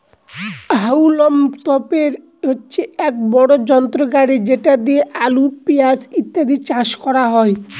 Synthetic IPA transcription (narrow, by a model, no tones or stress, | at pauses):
ɦawlomt̪ɔpeɾ | otːɕʰeɛk̚bɔɽod͡ʑɔnt̪ɾoɡaɽed͡ʑeʈad̪ieʔalupiasit̪ːad̪it͡ɕaʃkɔɽaɦɔe